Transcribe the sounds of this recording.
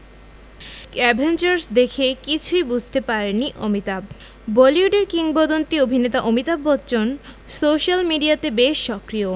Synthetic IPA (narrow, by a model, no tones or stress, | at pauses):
ɛbʱent͡ɕaɾsd̪ekʰekit͡ɕʰujbud͡ʑʱt̪epaɾeniʔomit̪ab | bɔliuɖeɾkiŋbɔd̪ont̪iobʱinet̪aʔomit̪abːɔtːɕonsoʃalmiɖiat̪ebeʃːɔkɾio